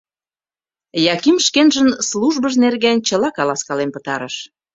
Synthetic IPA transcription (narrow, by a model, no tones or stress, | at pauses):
jɑkimʃkenʒənsluʒbəʃnerɣent͡ɕəlɑkɑlɑskɑlempə̥̆t̪ɑɾəʃ